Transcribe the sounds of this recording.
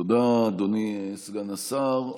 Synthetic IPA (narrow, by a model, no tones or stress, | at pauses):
od̪ad̪onisɡanasaʁ